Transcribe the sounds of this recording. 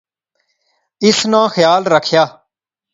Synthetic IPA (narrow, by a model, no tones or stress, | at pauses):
ɪsnãːxjaːlɾəkʰːjaː